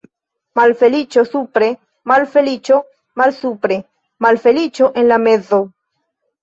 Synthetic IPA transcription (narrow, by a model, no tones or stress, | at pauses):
malfe̞lit͡ʃosupɾe | malfe̞lit͡ʃo | malsupɾe | malfe̞lit͡ʃoʔenlamezo